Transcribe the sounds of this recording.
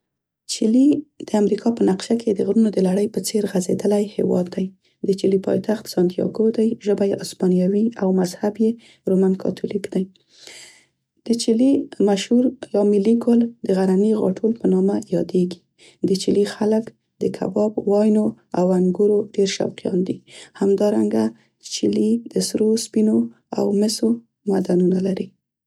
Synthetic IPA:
t͡ʃilid̪̥əamɾikʰɑpənaqʃakʰed̪əɣɾunod̪əlaɽəjpət͡seɾɣazed̪əlajhḛwɑ̰d̪ːaj | d̪ət͡ʃilipɑ̰jt̪axt̪sɑnt̪ijɑ̰ɡod̪ajʒəbajaspɑnijɑwiawmazhabje | ɾomankʰɑ̰t̪ʰulikd̪aj | d̪̥ət͡ʃilimaʃhuɾlɑmiliɡold̪əɣaɾaniɣɑ̰ʈʰolpənɑmajɑd̪eɡi̥ | d̪ət͡ʃilixalək | d̪əkʰa̰bɑbwɑjnoawaŋɡuɾoɖeɾʃa̰wqijɑ̰nd̪ihamd̪ɑɾaŋɡa | d̪̥ət͡ʃilid̪̥əsɾospino | a̰wmɪso | mad̪anunalaɾi

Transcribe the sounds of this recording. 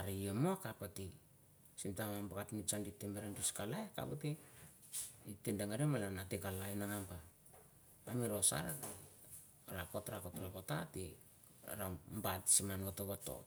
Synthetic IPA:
aɾijemoakapati | simtamambakatinit͡ʃanditːemeɾanduskalaeka̰pati | itendaŋaɾiemalanateɡalainaŋampa | amiɾosa̰ɾa | ɾakotɾakotɾakota̰ti | ɾambatsimanɡotoβato̰

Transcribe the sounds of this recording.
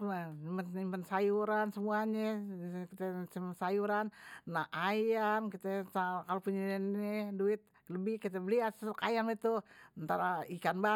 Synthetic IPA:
laimənimpənsajuɾansəmuaɲɛkit̪ɛsəmpənsajuɾannaʔajamkit̪ɛsakalopuɲanɛduɪt̪̚ | ləbɪhkit̪ɛbəliasəkajamit̪uənt̪aɾaikanba

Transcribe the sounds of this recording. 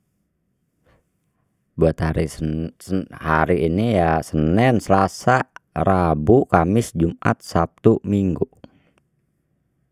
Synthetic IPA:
buat̪haɾi | haɾiːnijasənɛnsəlasarabukamɪsd͡ʒumʔa̰t̪̚sap̚t̪umiŋɡu

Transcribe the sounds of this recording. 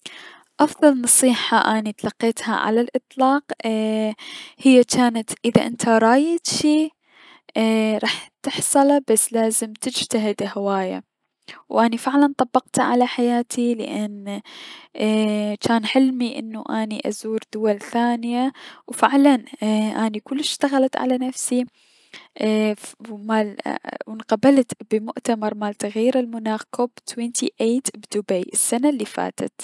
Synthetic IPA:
ʔɑfðˤɑlnɑsˤiːħaʔaːnit̪lɑqːeːt̪ha̰ʕa̰lalʔɨt̪ˤlɑːq | hɪjːat͡ʃaːnat̪ʔɪðaʔɪnt̪ʰaɾˤɑːjɪt̪ʃiː | ɾˤɑːħt̪ɪħsˤɨlabasːlaːzɪmt̪ɪd͡ʒt̪aɦɪd̪hawaːja̰ | wʔanifɪʕlant̪ˤɑbːɑqt̪aʕalaħajaːt̪ʰilɪ̰ʔan | t͡ʃaːnħɪlmiʔɪ̰nːuʔaːniʔa̰zuːɾd̪ʊwalθaːnɪjawfɪʕlanʔaːnikʊlːɪʃʃt̪aɣalat̪ʕa̰lanafsi | maːlwɪnqabalt̪b̥əmʊʔt̪amɑɾˤmaːlt̪aɣjiːɾɪlmʊnaːxkʰoːbt̪ʰwent̪ʰiʔeːt̪bd̪ʊbajʔɪsːanalːifa̰ːt̪a̰t̪

